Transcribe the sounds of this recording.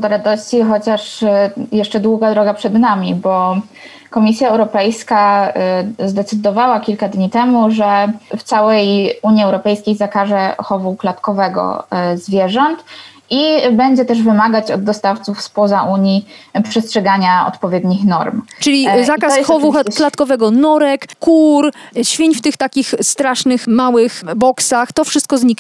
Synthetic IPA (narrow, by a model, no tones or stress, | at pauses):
d̪ɔɾad̪ɔɕt͡ɕixɔt͡ɕaʂjɛʂt͡ʂɛd̪wuɡad̪ɾɔɡapʂɛd̪namʲibɔ | kɔmʲisʲjaɛwɾɔpɛjska | zd̪ɛt̪sɘd̪ɔvawakʲilkad̪ɲit̪ɛmuʐɛft̪sawɛjuɲiɛwɾɔpɛjskʲejzakaʐɛxɔvuklat̪kɔvɛɡɔ̰zvʲjɛʐɔnt̪ | ibɛɲd͡ʑɛt̪ɛʐvɘmaɡat͡ɕɔd̪̚ːɔst̪aft̪sufspɔzaʔuɲipʂɛstʂɛɡaɲaɔ̰t̪pɔvʲjɛd̪ɲixnɔ̰ɾmt͡ʂɘlʲizakkasxɔvuklatt̪kɔvɛɡɔnɔɾɛkkuɾɕfʲiɲft̪ɘxt̪akʲixst̪ɾaʂnɘxmawɘxbɔksaxt̪ɔfʂɘst̪kɔzɲik